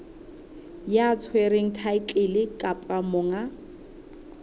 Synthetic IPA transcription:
jat͡sʰweɾeŋ̩tʰaɪkʼelɪkʼapʼamʊːŋa

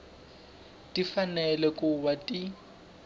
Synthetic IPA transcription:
tʼifanɛlɛkʼuwatʼi

